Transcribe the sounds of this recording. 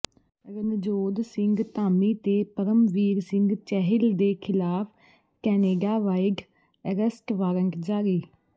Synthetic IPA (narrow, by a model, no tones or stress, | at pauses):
ɾənd͡ʒoːd̪sɪ̃ŋɡt̪aːmiːt̪eːpəɾəmʋiːɾsɪŋɡt͡ʃɛɦɪld̪eːkʰɪlaːpʰ | kɛːneːɖaːʋaːɪɡ | əɾəsʈʋaːɾəŋɡd͡ʒaːɾiː